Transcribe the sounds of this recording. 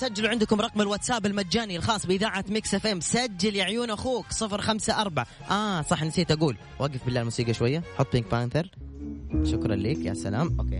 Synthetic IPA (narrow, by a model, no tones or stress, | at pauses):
sad͡ʒːaluʕɪnd̪ʊkʊmɾˤɑqmɪlwat̪saːbɪlmad̪d͡ʒaːnialxɑːsˤbɪʔɪðaːʕat̪mɪksefʔemsad͡ʒːaljaʕjuːnʔaxuːksˤɨfɾxamsaʔɑɾˤbaʕa | ʔaːsˤɑħnsiːt̪ʔaɡuːl | wʔaːɡɪfbɪlːaːlmuːsiːɡaʃwajːaħʊt̪ˤːbɪŋk̚paːnt̪ɪɾ | ʃʊkɾˤɑ̰nleːkja̰sːa̰la̰ːmʔo̰ːkḛː